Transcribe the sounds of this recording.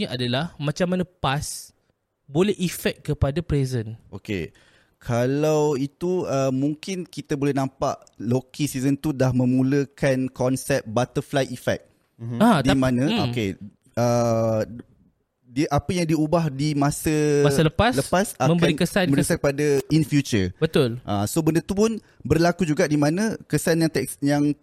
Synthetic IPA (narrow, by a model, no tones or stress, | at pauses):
ɲaʔadalahmãt͡ʃamːanãpas | bolɛhʔifɛk̚kːəpadapɾezənʔokḛ | kʰalawit̪uəmũŋkɪnkit̪abolɛhnãmpa̰ʔlokisizənt̪udahmə̃mũləkankɔnsɛp̚bat̪əflajifɛ̰k̚ | adimãnãoke | ə | diʔapəjaŋdiubahdimãsəmasələpasləpasamə̃mkbəaɾinkəsanmbəɾikəsak̚əpadainfjut͡ʃəbət̪ʊlʔasobəndət̪upʊn | bərlakud͡ʒuɡaʔdimãnə̃kəsanjaŋt̪ɛjaŋ